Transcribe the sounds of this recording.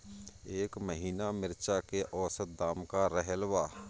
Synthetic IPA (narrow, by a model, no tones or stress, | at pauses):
eːkməɦiːnamɪɾt͡ʃakeʔɔːsət̪̚d̪aːmkaɾəɦəlʋaː